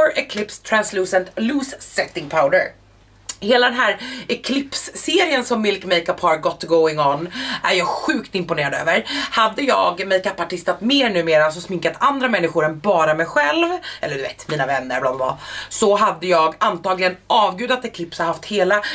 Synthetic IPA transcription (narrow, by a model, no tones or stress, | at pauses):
ɔɾɛkʰlɪpst̪ʰɾansluːsənt̪luːsːɛt̪ːɪŋpʰaʊd̪əɾ | heːlad̪ɛnɦæːɾɛkʰlɪpsːeːɾɪənsɔmːɪlkmejkapʰɑɾɡɔt̪ːɡoʊɪŋɔnʔæ̰ɾjɑːɡɧʉ̟ːkt̪ɪmpʊneːɾad̪ø̰ːvəɾhad̪ːəjɑ̰ːɡmɛjkapːaʈɪst̪at̪meːɾɳʉ̟ːmeːɾas̬ɔsmɪŋkat̪ʰand̪ɾamɛnːɪɧʊɾɛnbɑːɾamɛjɧɛlvʔɛ̰lːəɖ̪ɵvḛːt̪miːnavɛnːə̰ɾblaːbb̪la̰sɔɦad̪ːəjɑːɡant̪ɑːɡlɪɡənɑːvɡʉ̟ːd̪at̪ɛkʰlɪpshahaft̪heːla